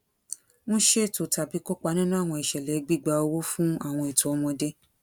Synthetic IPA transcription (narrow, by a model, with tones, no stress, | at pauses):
mõ˦ʃe˦e˦˨to˨ta˨bi˨˦ko˦k͡pa˧˦nĩ˦nũ˦a˦˨w̃ɔ̃˧i˨ʃɛ˨lɛ˨˦ɡ͡bi˦˨ɡ͡ba˧o˧wo˦fũ˦a˦˨w̃ɔ̃˧e˨to˨ɔ˧mɔ̃˧de˦